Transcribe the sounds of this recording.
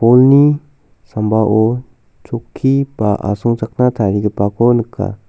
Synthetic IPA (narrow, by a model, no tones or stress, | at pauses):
polni | sambaʔɔ | t͡ʃokʰːibaʔa̰sɔŋt͡ʃak̚natʰaɾiɡipakʰonɯkʰːa̰